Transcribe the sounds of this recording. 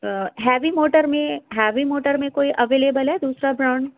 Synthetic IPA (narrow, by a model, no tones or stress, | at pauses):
ɦɛːʋimoːʈəɾmẽɦɛːʋimoːʈəɾmẽkoːiʔɐʋeːleːbəlɦɛd̪uːsɾabɾaʊɳɖ